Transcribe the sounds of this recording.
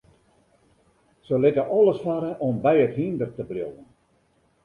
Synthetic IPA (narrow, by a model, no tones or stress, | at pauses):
səlɪtəʔɔlˠəsfaɾəʔɔmbɛjəthindərtəbljowən